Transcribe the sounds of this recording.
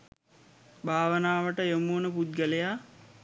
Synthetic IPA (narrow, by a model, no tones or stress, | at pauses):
bʱaːʋənaːʋəʈəjomuːnəpud̪̚ɡəlejaː